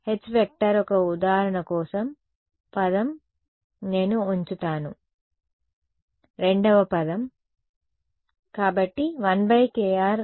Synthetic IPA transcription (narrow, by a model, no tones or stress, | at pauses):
het͡ʃbek̚ʈɐɾɔkɐud̪aːɾɐɳɐkɔːsɐm | pɐd̪ɐm | ne̞ːnuuɲt͡ʃut̪aːnu | ɾe̞ɳɖɐʋɐpɐd̪ɐm | kaːbɐʈːiʋɐnbʱɐjkeːaːɾ